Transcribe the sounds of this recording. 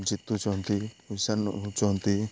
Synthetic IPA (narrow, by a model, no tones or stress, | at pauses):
d͡ʒit̪ːut͡ʃɔnt̪iisant͡ʃɔnt̪i